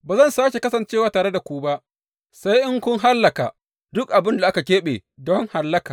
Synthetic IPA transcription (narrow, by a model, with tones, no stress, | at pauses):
baː˨zɐ˦˨nsaː˦ʃe˨kɐ˦sɐ˨nt͡ʃeː˦waː˨taː˨ɽe˦da˨kʷuː˦ba˦ʔ | sa˦jʔɪ˦ŋkʷʊ˦ŋɦa˦lːɐ˨ka̰˨ | dʊ˦kʔa˨bɪ˦nda˨ʔa˦ka˨kʲeː˦ɓḛ˨dɔ˦ŋha˨lːɐ˦kaː˨